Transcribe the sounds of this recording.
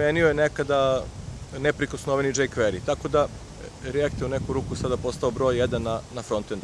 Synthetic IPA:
eniojenekad̪a | nepɾikosnoʋenid͡ʒejkʋeɾit̪ako̞d̪a | ɾeakt̪eunekuɾuːkusad̪apo̞st̪aobɾo̞ːjːed̪anːanafɾo̞nt̪end̪

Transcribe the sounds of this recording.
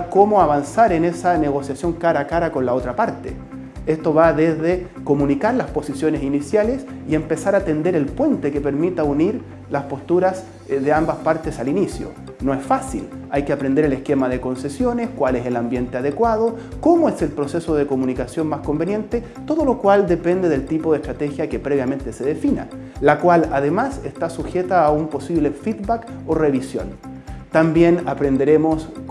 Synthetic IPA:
komoaβansaɾenesaneɣo̞sjasjo̞ŋkaɾakaɾako̞nlao̞t̪ɾapaɾt̪ḛ | est̪oβaðezðe | ko̞munikaɾlaspo̞sisjo̞nesinisjalesiempesaɾat̪e̞nd̪eɾelpwe̞nt̪ekepeɾmit̪auniɾ | laspo̞st̪uɾas | ðeambaspaɾt̪esalinisjo̰ | no̞esfasḭlajkeapɾend̪eɾelehskemaðeko̞nsesjo̞neskwaleselambje̞nt̪eaðekwaðokomoeselpɾo̞sesoðekomunikasjo̞nmasko̞mbenje̞nt̪e | t̪o̞ðolo̞kwald̪epend̪eðelt̪ipoðehst̪ɾat̪exjakepɾeβjame̞nt̪eseðefina̰ | lakwalaðemasest̪asuxet̪aːumpo̞siβlefid̪bakoreβisjo̰nt̪ambjenapɾend̪eɾemos

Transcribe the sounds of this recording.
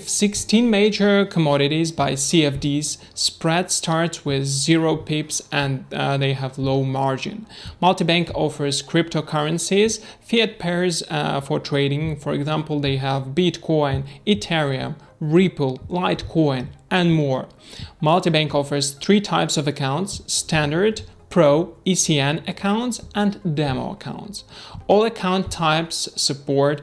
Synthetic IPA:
fsɪkstʰĩnmeɪd͡ʒə˞kʰəmɔɾɨɾizbaɪsiɛfdiz̥ | spɹɛdstʰɑɹtswɪðzɪɹoʊpʰɪpsɨ̃nðeɪəvloʊmɑɹd͡ʒɪ̰̃nmʌlˠtibæ̃ŋkʰɔfə˞z̥kʰɹ̥ɪp̚tʰoʊkʰʌɹɨ̃nsiz̥ | fiɨt̚pʰɛɹzfə˞tʰɹ̥eɪɾɪ̃ŋfəɹɨ̰ɡzæ̃mpl̩ˠðeɪəvbitkʰɔ̃ɪ̃nitʰɛɹiɨ̰̃m | ɹipəl̩ˠlaɪtkʰɔ̃ɪ̃nʔɨ̃nmɔɹ | mʌlˠtibæ̃ŋkɔfə˞z̥θɹitʰaɪpsʌvɨkʰãʊ̃ntsːtʰæ̃ndə˞dpʰɹ̥oʊisiɛ̃nɨkʰãʊ̃ntsə̃ndɛmo̰ʊə̰kʰã̰ʊ̃ntsɔlˠəkʰãʊ̃ntʰːaɪpssɨpʰɔɹt

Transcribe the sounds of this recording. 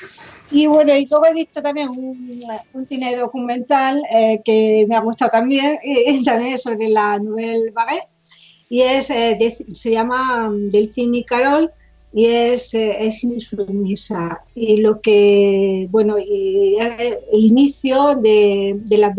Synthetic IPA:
iβwe̞noilwe̞ɣ̞oe̞βist̪ot̪amje̞ŋununθineðo̞kumẽnt̪alekemeaɣ̞ust̪awt̪ambje̞ŋt̪amjeŋesoβɾelanoβe̞lβaɣe | ie̞sed̪ese̞ʝamad̪e̞lθinikaɾo̞l | ieseesinisumisailo̞kebwe̞noieeliniθjod̪ed̪e̞la

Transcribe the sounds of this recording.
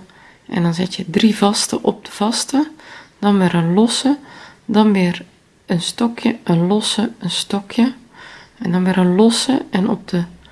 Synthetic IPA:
ʔɛ̰ndɑnzɪtjədrivɑstəʔɔb̚d̥əv̥ɑstəd̥ɑnʋɪɾənlɔsədɑnʋɪːr | ənstɔkjəʔənlɔsəənstɔkʰjə | ɛndɔnʋɪːɾənlɔsəɛnɔ̰p̚d̥ə

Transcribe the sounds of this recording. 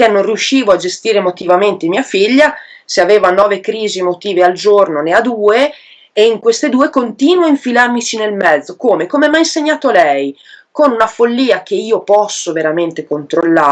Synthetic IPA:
kenːonrijuʃːiːvoad͡ʒest̪iːɾemot̪ivament̪emiːafiʎːa | seaveːvanɔːvekɾiːziemot̪iːveald͡ʒornonead̪uːeː | iŋkwest̪ed̪uːekont̪iːnwaiɱfilarmit͡ʃinelmɛd̪zːokoːmekomeɛmajinseɲːaːt̪olɛjkonunafolːiːak̟eiːopɔsːoveɾament̪ekont̪ɾolːa

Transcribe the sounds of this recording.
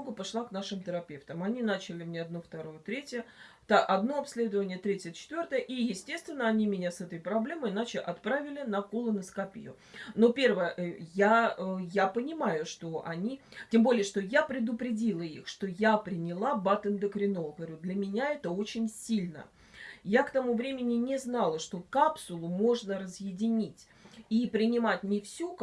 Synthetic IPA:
ɡʊpaʂlˠaknaʂɨmt̪əɾɐpʲe̞ft̪əmɐnʲinat͡ɕɪlʲɪmnʲeɐd̪noft̪ɐɾojət̪ɾʲetʲɪjə | t̪aʔɐd̪no̞ɐpsʲlʲe̞d̪əvənʲɪjət̪ɾʲetʲjət͡ɕɪ̥t̪vʲo̞rt̪əjəʔijɪsʲtʲe̞st̪vʲɪnːəɐnʲimʲɪnʲasɛt̪əjpɾɐblʲe̞məjɪnat͡ɕɪʔɐt̪pɾavʲɪlʲɪnɐkolˠənəskɐpʲɪ̰jʊ̰ | nopʲe̞rvəjəjaəjapənʲɪmajʊʂt̪o̞ʔɐnʲitʲembo̞lʲɪjəʂt̪o̞japɾʲɪd̪ʊpɾʲɪdʲilˠəḭxʂt̪o̞japɾʲɪnʲɪlˠabat̪ənd̪əkɾʲɪnoɡəvɐɾʲud̪lʲəmʲɪnʲaɛt̪əo̞t͡ɕɪnʲsʲilʲnə̰ | jakt̪ɐmuvɾʲemʲɪnʲɪnʲɪznalˠəʂt̪o̞kapsʊlˠʊmo̞ʐnərəzjɪdʲɪnʲitʲ | ipɾʲɪnʲɪmatʲnʲɪfsʲuk

